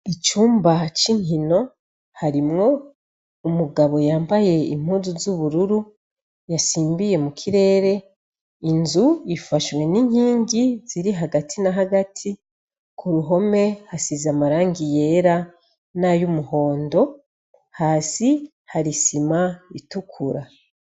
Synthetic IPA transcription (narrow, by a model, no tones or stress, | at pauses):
it͡ʃuːmbat͡ʃiɲino̞ | haɾimŋo̞ | umuɡaβo̞jaːmbaje̞ḭm̥huːzuzuβuɾuɾu | jasiːmbije̞mukʰiɾe̞ːɾe̞ | inzuifaʃwe̞niɲhiːɲɟiziɾiɦaɡatʰinaɦaɡatʰi | kʰuɾuɦo̞me̞hasizamaɾaːŋɡije̞ɾa | najumuho̞ːndo̞ | haːsi | haɾisimaitukʰuɾa